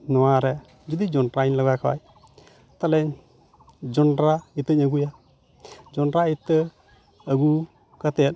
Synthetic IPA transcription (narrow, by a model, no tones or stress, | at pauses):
nʊaɾɛ | d͡ʒʊd̪id͡ʒʊnɾainləɡakawa̰j | t̪alɛɲ | d͡ʒʊnɾaɪt̪ːəɲəɡuja | d͡ʒʊnɾaɪt̪ːə | əɡu | kət̪e